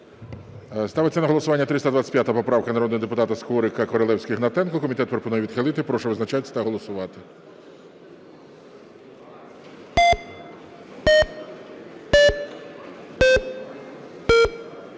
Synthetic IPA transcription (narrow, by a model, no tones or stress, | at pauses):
st̪ɑʋet͡sʲːɐnɐɦɔlˠɔsʊʋɑnʲːɐt̪ɾɪst̪ɐd̪ʋat͡sʲːɐ̥pʲjat̪ɐɐpɔpɾɑʋwkɐnɐɾɔd̪nɔɦɔd̪epʊt̪ɑt̪ɐskɔɾɪkɐkɔɾɔlˠɛwsʲkʲɪɦnɐt̪ɛnkɔkɔmʲit̪ɛt̪̚pɾɔpɔnujɛʋʲid̪xɪlˠɪt̪ɪpɾɔʃɔʋɪznɐt͡ʃaɐt̪ɐɦɔlˠɔsʊʋɑt̪ɪ